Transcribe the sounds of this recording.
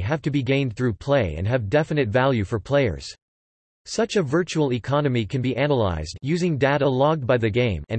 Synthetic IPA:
ɦæftɨbiɡẽɪ̃nθɹʉpʰl̥eɪɨ̰̃nɨvdɛfɨnɨtvælˠjʉfə˞pʰl̥eɪə̰˞z̥ | sʌt͡ʃɨvɜ˞t͡ʃul̩ˠikʰɑnɨmikʰɨ̃nbiʔænəla̰ɪzdjʉzɪ̃ŋdaʊɾəlɑɡ̚d̚baɪðɨɡẽɪ̃mɨ̰̃n

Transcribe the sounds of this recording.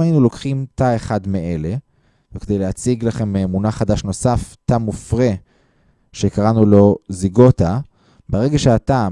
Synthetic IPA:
ainulo̞kχimtae̞χadmeʔele̞ | veked̪e̞jleat͡siɡlaχe̞mːmunaχadaʃno̞saftamufʁe | ʃekaʁanulo̞ziɡo̞ta | beʁe̞ɡaʃeata

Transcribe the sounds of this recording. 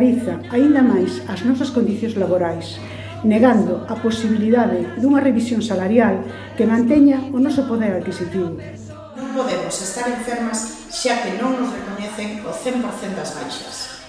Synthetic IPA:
ɾiθaaind̪amajsaznɔsɐskond̪iθjõŋzlaβoɾajs | neɣand̪oaposiβiliðaðɪd̪uŋɐreβisjoŋsalaɾjal | kemãnt̪ɛɲaonɔsopoðeɾaðkisit̪iβʊ | nõŋpoðemʊsest̪aɾẽɱfeɾmɐs | ʃakenõŋnozrekoɲeθeŋoθempoɾθend̪ɐzβajʃɐ̥s

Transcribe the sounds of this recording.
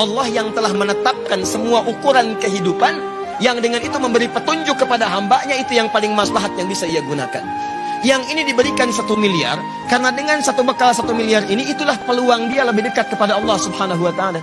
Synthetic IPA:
ɑlːɑhjaŋt̪əlahmənət̪ap̚kansəmuaʔukuɾankəɦidupan | jaŋdəŋanit̪uməmbəɾipət̪uɲd͡ʒʊkːəpadaɦambaʔɲait̪ujaŋpalɪŋmaslaɦat̪̚jaŋbisaijaɡuna̰ka̰n | jaŋinidibəɾikansat̪umilia̰r | kaɾənadəŋansat̪ubəkalsat̪umiliariniːt̪ulahpəluaŋdialəbɪhdəkat̪̚kəpadaɑlˠːɑhsubhanaɦuwat̪aːla

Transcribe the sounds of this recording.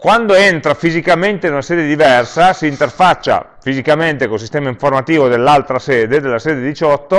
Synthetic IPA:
kwand̪oent̪ɾafizikament̪einunasɛːd̪ed̪ivɛrsasiːnt̪erfat͡ʃːa̰ | fizikament̪ekols̬ist̪ɛːmaiɱformat̪iːvod̪elːalt̪ɾasɛːd̪ed̪elːasɛːd̪ed̪it͡ʃɔt̪ːo

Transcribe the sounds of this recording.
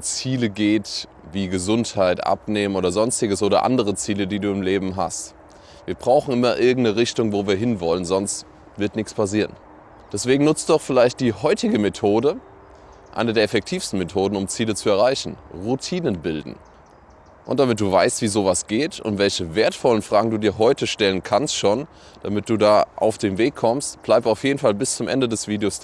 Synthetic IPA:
t͡siːləɡeːt | viːɡəzʊnthaɪtʔa̰pneːmənʔoːdɐzɔnstɪɡəsʔoːɾɐ̰ʔa̰ndəʁ̞ət͡siːlədiːduːɪmleːbm̩ɦa̰st | viːɐbʁaʊxn̩ɪmɐʔɪɐɡŋ̩tnəʁɪçtʊŋvoːviːɐɦɪnvɔlənzɔnst | v̥ɪɐtnɪçt͡spʰasiːʁən | d̥ɛsv̥eːɡŋ̩nʊt͡std̥ɔχfɪlaɪçt̚d̥iːhɔʏtɪɡəmetʰoːdə | ʔa̰ɪnəɐdeːɐɛfɛk̚tʰiːfstn̩metʰoːdn̩ʊmt͡siːlət͡suɛɐʁ̞aɪçn̩ʁutʰiːnənbɪldn̩ | ʔʊ̰nt̚d̥amɪt̚d̥uːva̰ɪstv̥iːzoːvasɡ̥eːtʊ̰ntvɛlçəveːɐtfɔlənfʁ̥aːɡŋ̩duːdiːɐɦɔʏtəʃtɛlənkʰanstʃoːn | d̥amɪt̚d̥uːdaːʔa̰ʊfd̥eːnveːkʰːɔmstb̥laɪp̚taʊfjeːdn̩falbɪst͡sʊmʔɛ̰ndədɛsv̥iːdeoːs

